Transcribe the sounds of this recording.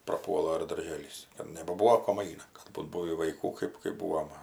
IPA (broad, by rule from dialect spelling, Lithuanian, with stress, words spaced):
prɐˈpuɔlˠɐ ɪr dɐrʲˈʒʲeːlʲiːs ɪr nʲɛbɐˈbuːʋoː koːm ˈɐɪnɐ ˈkɐt buːt ˈbuːʋʲiː ʋɐɪˈkuː ˈkɜp kɜp ˈbuːʋoː mɐ